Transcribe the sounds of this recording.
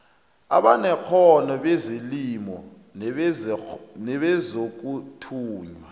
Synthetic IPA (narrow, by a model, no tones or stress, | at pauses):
aɓanɛk͡xʰɔnɔɓɛzilimɔ̰ | nɛɓɛzok̬ʼutʰuːɲwa